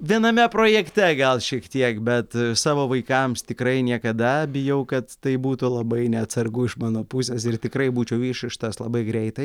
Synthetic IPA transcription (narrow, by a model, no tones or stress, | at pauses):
ʋʲiɛnɐmʲɛpɾoːjɛkt̪ʲɛɡɐlˠʃʲiɛkt̪ʲiɛkbʲɛt̪sɑːʋoːʋɐɪkɐmst̪ʲɪkɾɐɪnʲiɛkɐd̪ɐbʲɪjɛʊkɐt̪t̪ɐɪbuːt̪ʊlˠɐbɐɪnʲɛɐt̪sɐrɡʊɪʃmɑːnoːpusʲeːsɪrt̪ʲɪkɾɐɪbuːt͡ʃʲɛʊʋʲiːʃɪʃt̪ɐslˠɐbɐɪɡɾʲɛɪt̪ɐɪ